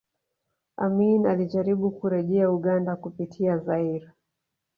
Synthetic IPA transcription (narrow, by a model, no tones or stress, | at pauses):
aminaliʄaɾiɓukuɾɛʄɛauɠandakupitʰiazaiɾa